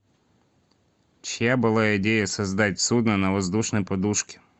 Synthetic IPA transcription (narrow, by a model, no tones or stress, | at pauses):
t͡ɕɪjabɨlˠaɪdʲejəsɐzd̪atʲsud̪nənɐvɐzd̪uʂnəjpɐd̪uʂkʲɪ̥